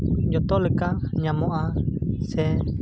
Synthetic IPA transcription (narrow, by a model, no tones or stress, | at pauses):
d͡ʒɔt̪ɔlekaɲamoʔasɛ